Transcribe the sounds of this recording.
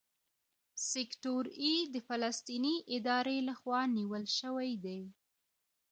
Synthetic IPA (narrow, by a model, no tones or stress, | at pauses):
sɪkʈoɾid̪əfalast̪iniʔɪd̪ɑɾelaxwɑniwəlʃəwajd̪aj